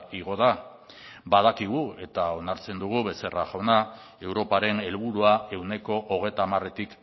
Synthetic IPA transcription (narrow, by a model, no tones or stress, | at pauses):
iɣ̞o̞ða | bað̞akiɣ̞ue̞t̪ao̞naɾt͡se̞nd̪uɣ̞uβe̞se̞ra̰ʝawna | e̞wɾo̞paɾe̞ne̞lβuɾuae̞wne̞ko̞ʔoɣ̞e̞jt̪aːmare̞t̪ik